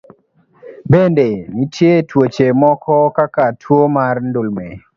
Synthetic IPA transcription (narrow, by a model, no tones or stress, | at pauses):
bendenitjetwot͡ʃemɔkɔkakatʰwomarndʊlmɛ